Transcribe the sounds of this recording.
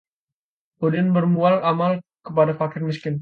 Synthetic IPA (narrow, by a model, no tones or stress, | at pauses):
odɪnbərmualamalkəp̬adafakɪrmɪskɪn